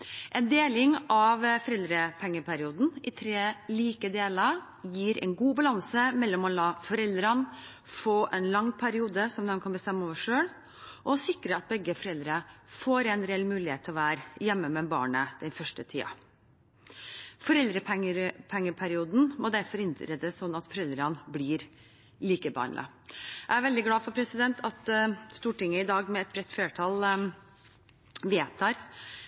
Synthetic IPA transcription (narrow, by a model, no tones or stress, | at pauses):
ʔɛnd̪eːlɪŋɑʋfɔɾɛld̪ɾəpʰɛŋːəpʰæɾɪuːd̪n̩ɪt̪ʰɾeːliːkəd̪eːləɾ | jiːɾɛ̰nɡuːbɑlɑnsəmɛlːɔmɔlɑːfɔɾɛld̪ɾən | foːʔɛnlɑŋːpʰæɾɪuːd̪əsɔmd̪ɛnkʰɑnbəst̪ɛmːəɔːʋəʂøːɭ | ʔɔɔsɪkɾəɑt̪̚bɛɡːəfɔɾɛld̪ɾəfoːɾɛnɾɛɛlmʉːlɪheːt̪ʰːɛɔʋæːɾjɛmːəmɛbɑ̰ːɳəd̪̥ɛnfœʂʈət̪ʰiːɑ̰ | fɔɾɛld̪ɾəpʰɛŋəɾpʰɛŋːəpʰæɾɪuːd̪n̩mɔd̪æɾfɔɾɪnt̪ɾɛd̪əssɔnːɑt̪fɔɾɛld̪ɾɑnblɪɾ | liːkəbɑ̰ːɳlɪɑ̰ʔæɪæɾʋɛld̪ɪɡlɑːfɔɾpʰɾɛsɪd̪ɛnt̪ʰɑt̪st̪uːʈɪŋːəɪd̪ɑːɡmɛɛt̪̚b̥ɾɛt̪ːfleːʈʰɑːl | ʋet̪ʰɑːɾ